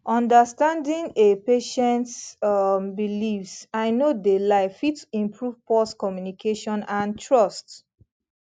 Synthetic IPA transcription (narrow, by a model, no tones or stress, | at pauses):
ʔɔ̃ndəstãndĩŋepeʃɛ̃nt | bilifsaɪnodelaɪfitsĩmpʰɹuv̥pɔskɔmjunikʰeʃɔ̃nãntʰɹɔst